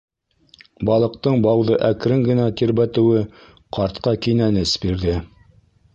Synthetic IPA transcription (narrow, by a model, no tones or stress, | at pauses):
bɑlˠɤ̆q̚t̪ɤɴbɑwðɤʔækɾɘŋɡɘ̆næt̪iɾbæt̪ɘ̆wɘ | qʰɑɾt̪qɑkinænɘsbiɾðɘ